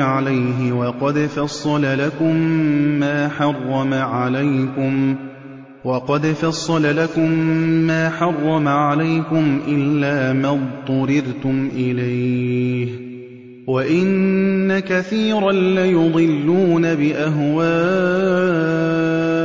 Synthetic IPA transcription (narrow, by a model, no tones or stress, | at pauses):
ʕalajɦɪwɑqɑd̪fɑsˤːɑlalakʊmːaːħɑrˤːɑmaʕalajkʊm | wɑqɑd̪fɑsˤːɑlalakʊmːaːħɑrˤːɑmaʕalajkʊmʔɪlːaːmat̪ˤːʊɾɪɾt̪ʊmʔɪlajh | waʔɪnːakaθiːɾanlajʊd̪ˤɨlːuːnabɪʔaɦwaː